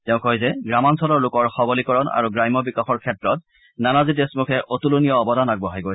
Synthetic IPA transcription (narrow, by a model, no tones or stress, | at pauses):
tɛʊ̃kojzɛɡɹamansɔlɔɹlʊkɔɹxɔbɔlikɔɹɔna̰ɹuɡɹajmɔbikaxɔɹkʰɛtɹɔt̚ | nanazidesmukʰɛʔotulunijɔːbɔdanaɡ̚bɔɦajɡoj